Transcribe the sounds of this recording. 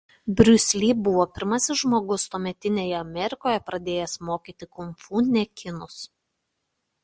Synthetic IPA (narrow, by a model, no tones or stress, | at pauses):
bʲɾʲʊsʲlʲiːbʊʋoːpʲɪɾmɐsʲɪsʒmoːɡʊst̪uɔmʲɛt̪ʲɪnʲeːjɛɐmʲɛɾʲɪkoːjɛpɾɐd̪ʲeːjɛsmoːkʲiːt̪ʲɪkʊmfuːnʲɛkʲɪnʊs